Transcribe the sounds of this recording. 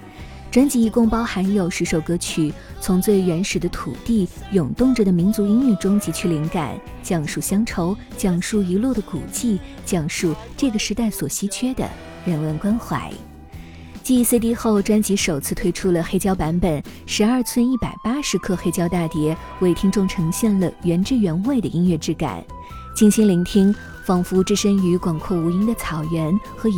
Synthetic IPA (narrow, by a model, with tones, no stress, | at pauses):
ʈ͡ʂwa˥nt͡ɕi˧˥i˧˥kʊ˥ŋpɑ˥ʊxa˧˥njo˨˩ʊʂɻ̩˧˥ʂo˨˩ʊkɤ˧˥t͡ɕʰy˨˩ | t͡sʰʊ˧˥ŋt͡swe˥˩ɪɥɛ˧˥nʂɻ̩˨˩d̪ə˦t̪ʰṵ˨˩t̪i˥˩jʊ˨˩ŋt̪ʊ˥˧ŋʈ͡ʂə˩d̪ə˩mi˧˥nt͡su˧˥i˥ny˥˩ʈ͡ʂʊ˥ŋt͡ɕi˧˥t͡ɕʰy˥li˧˥ŋka̰˨˩˦n | t͡ɕjɑ˨˩ŋʂu˥˩ɕjɑ˥ŋʈ͡ʂʰo˧˥ʊ | t͡ɕjɑ˨˩ŋʂu˥˩i˧˥lu˥˩d̪ə˩kṵ˨˩t͡ɕi˥˩ | t͡ɕjɑ˨˩ŋʂu˥˩ʈ͡ʂɤ˥˩ɡə˩ʂɻ̩˧˥t̪a˥˩ɪswɔ˨˩ɕi˧˥t͡ɕʰɥɛ˥d̪ə̰˨ | ɻə˧˥nwə˥˩nkwa˥nxwa̰˧˥ɪ | t͡ɕi˥˧˥se˥˧t̪̬i˥˧xo˥˩ʊʈ͡ʂwa˥nt͡ɕi˧˥ʂo˨˩ʊt͡sʰɹ̩˥˧t̪ʰwe˥ɪʈ͡ʂʰu˥lə˨xe˥ɪt͡ɕjɑ˥ʊpa˧˥npə˨˩n | ʂɻ̩˧˥ɐ˞˥˧t͡sʰwə˥˧ni˥˩pa˨˩ɪpa˥ʂɻ̩˧˥kʰɤ˥˧xe˥ɪt͡ɕjɑ˥ʊt̪a˥˩t̪jɛ˧˥ | we˥˩ɪt̪ʰi˥ŋʈ͡ʂʊ˥˩ŋʈ͡ʂʰɤ˧˥ŋɕjɛ˥˩nlə˩ɥɛ˧˥nʈ͡ʂɻ̩˥˩ɥɛ˧˥nwe˥˩d̪ə˩ʔi˥ŋɥɛ˥˧ʈ͡ʂɻ̩˥˩ka̰˨˩˦n | t͡ɕi˥˩nɕi˥ŋli˧˥ŋt̪ʰi˥ŋ | fɑ˥˩ŋfu˧˥ʈ͡ʂɻ̩˥˧ʂə˥ŋy˧˥kwɑ˨˩ŋkʰɔ˥˩u˧˥i˥nd̪ə˨t͡sʰɑ˨˩ʊɥɛ˧˥nxɤ˧˥